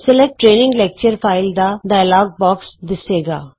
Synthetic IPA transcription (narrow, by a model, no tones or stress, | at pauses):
sɛlɛk̚ʈːɾeːnɪ̃ŋɡlɛːk̚t͡ʃəɾfʰaːɪld̪aɖaːjlaːɡ̚bɔːksd̪ɪseːɡa̰ː